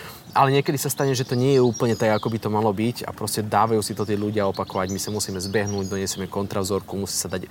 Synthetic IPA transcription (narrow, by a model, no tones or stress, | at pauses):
ʔalɛɲɪɛkɛd̪isast̪aɲɛʒɛt̪ɔɲɪɛjɛuːpl̩ɲɛt̪aɡakɔbit̪ɔmalɔbica̰pɾɔscɛd̪aːʋajuːsit̪ɔt̪̬iɛʎuɟɪaɔpakɔʋaɟmisamusiːmɛzbɛɦnuːɟd̪ɔɲɛsɛmɛkɔnt̪ɾavzɔɾkumusiːsad̪ac